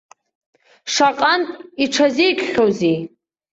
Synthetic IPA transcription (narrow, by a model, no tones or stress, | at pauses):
ʂaqʼantʼiʈ͡ʂʰazijkʲʷʰʼχʲowzi